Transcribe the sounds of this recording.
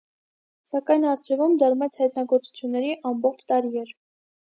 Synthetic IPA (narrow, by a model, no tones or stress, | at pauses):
sɑkɑjnɑɾt͡ʃʰɛvumd̪ɑɾmɛt͡sʰhɑjt̪nɑɡɔɾt͡su̥t͡sʰjunːɛɾiʔɑmbɔχt͡ʃʰt̪ɑɾiɛɾ